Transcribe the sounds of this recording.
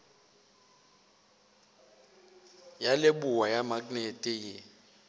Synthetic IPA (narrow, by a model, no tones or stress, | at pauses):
jalɪbuwajamakʼnetʼɪjɪ